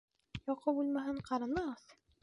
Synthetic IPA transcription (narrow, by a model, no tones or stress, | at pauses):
jɒqɤbulˠmæɦɘɴqɑɾɑnɑʁɤθ